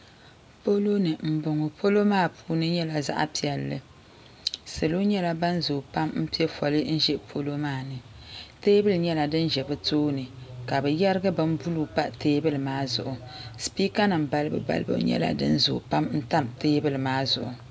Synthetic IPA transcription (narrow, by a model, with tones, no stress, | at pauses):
po˦lo˦nɨ˨m̩˨bo˨ŋo˨pʰo˦lo˦maː˦˨pʰuː˦nɨ˦ɲɛ˦la˨za̰˦ʔa̰˦pi˨ɛ˨lːɨ̰˦ | sɨ˨lu˦ɲɛ˦la˦ba˦nzoː˨pa˦mm̩˦pi˦ɛ˦fɔ˨lɨ˦n̩˦ʒɛ˦pʰo˦lo˦maː˦˨nɨ˨ | teː˦bɨ˦lɲɛ˦la˨dɨ˦nʒɛ˨bɨ˦toː˦nɨ˨ka˨bɛ˨jɛ˦ɾɨ˦ɡɨ˦bɨ˦n˦bu˦lu˦pa˦teː˦bɨ˦lɨ˨maː˦zʊ̰˨ʔʊ˨spiː˦ka˦nɨ˨mba˦lɨ˦bɨ̰˨ba̰˦lɨ˦bɨ̰˨˦ɲɛ̰˦la̰˨dɨ̰˦nzo̰ː˨pa˦mn̩˦ta˦mteː˦bɨ˦lɨ˨maː˦zʊ̰˨ʔʊ˨